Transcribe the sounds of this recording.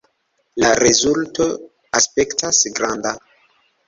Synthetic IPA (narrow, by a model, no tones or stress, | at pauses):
laɾezulto̞ | aspe̞ktasɡɾanda